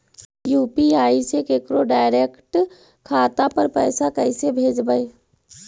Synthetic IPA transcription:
juːpiaːisekekɾoɖaːɪɾeːkʈ | kʰaːt̪apəɾpɛːsakɛɪsebʱeːd͡ʒbəe

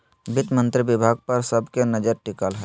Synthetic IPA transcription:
bɪt̪mə̃nt̪ɾibɪbʱaːɡ̚pəɾsəbkenəd͡ʒəɾʈɪkəlɦɛː

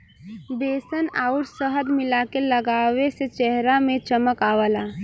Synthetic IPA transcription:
beːsəna̰ːʊʈsəɦəd̪mɪlakeləɡaːʋeset͡ʃɛɦɾamẽt͡ʃəməkaːwəlaː

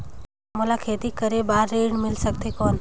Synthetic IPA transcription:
molakʰeːt̪ikəɾebaːɾːeːɽmɪlsək̚t̪ekɔːn

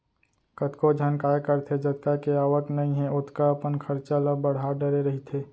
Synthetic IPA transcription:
kət̪kod͡ʒʱjaːnkaːjekəɾt̪ʰed͡ʒət̪̚kakeaːʋəknɐɦĩɦɛʊt̪ʰkaəpənkʰəɾt͡ʃaləbəɽ̤ɦaɖəɾeɾɐɦit̪ʰeː

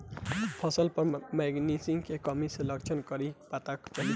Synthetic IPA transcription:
pʰʌsʌlpʌɾmeɡnisiŋkekɔmiselʌkt͡ʃʰʌnkʌɾipat̪akt͡ʃaɦi

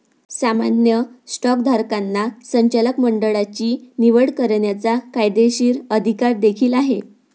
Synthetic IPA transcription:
samanjəsʈɔkd̪ʱaɾkanːasəɲt͡ɕaləkməɳɖəɭat͡ɕiːniʋəɽkəɾɳjat͡sakajd̪eɕiːɾəd̪ʱikaɾd̪ekʰiːlaɦe

